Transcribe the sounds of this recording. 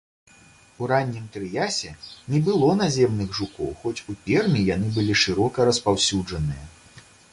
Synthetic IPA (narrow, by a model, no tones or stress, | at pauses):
uɾanʲːimt̪ɾɨjasʲɛnʲɛbɨlˠɔn̪azʲɛmnɨɣʐukɔ̰wxɔt͡sʲupʲɛrmʲijanɨbɨlʲiʂɨɾɔkɐɾɐspawsʲud͡ʐɐnɨjɐ